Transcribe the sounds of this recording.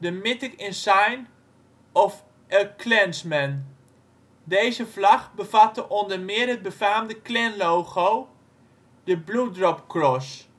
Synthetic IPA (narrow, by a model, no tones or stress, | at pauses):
dəmɪtɪkɪnsajn | ɔf | ʔəkʰlɛnsmɛn | dejzəvlɑχbəvatəʔɔndərmɪərɦəd̚bəfaːmdəklɛnlowχow | d̥əbludrɔp̚krɔs